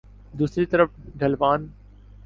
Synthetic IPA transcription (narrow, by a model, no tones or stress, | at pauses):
d̪uːsɾit̪ɐɾəfɖʱɐlʋaːn